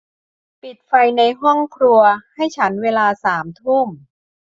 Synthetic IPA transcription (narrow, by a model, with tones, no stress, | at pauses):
pi˨˩t̪̚fa˧jna˧jɦɔ˥˩ŋkʰɾu˧ɐha˥˩jt͡ɕʰa˦˥nweː˧laː˧saː˩˦mt̪ʰu˥˩m